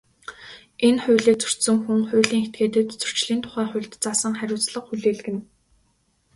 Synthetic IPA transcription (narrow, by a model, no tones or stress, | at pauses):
enχʊ̟ːɮiːk̚t͡sɵ̥r̥t̪sɵ̆ŋxuŋχʊ̟ːɮiːŋxet̪̚ɡeːt̪ɘ̆t̪t͡sɵ̥t͡ɕɮiːnt̪ʰʊ̥χæːχʊ̟jɮt̪t͡sasə̆ŋχæɾʲʊːt͡sɮə̆qxuɮeːɮ̆ɣɘ̆n